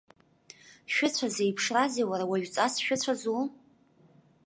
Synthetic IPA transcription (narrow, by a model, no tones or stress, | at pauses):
ʃᶣʊt͡ɕʷʰazejpʰʂrazewaɾawaɥᶣt͡sʼasʃᶣʊt͡ɕʷʰazu